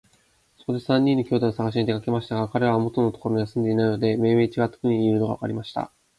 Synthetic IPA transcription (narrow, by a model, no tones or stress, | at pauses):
so̞ko̞d̪e̞sãɲ̟ːĩnːo̞kʲo̞ːd̪aosaɡaɕ̬iɲ̟id̪e̞kake̞maɕi̥t̪aɡakaɾe̞βamo̞t̪o̞no̞t̪okoɾoojasɨ̃nd̪e̞inainod̪e̞me̞ːme̞ːt͡ɕiɡat̪ːo̥kɯ̟ɲ̟iɯɾɯno̞ɡa̰a̰ka̰ɾʲimaɕi̥t̪a̰